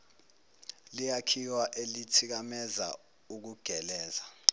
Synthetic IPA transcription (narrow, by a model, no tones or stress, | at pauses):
lijakʰiwaʔelitʰik̬amɛza̰ | uk̬uɡ̥ʱɛlɛːza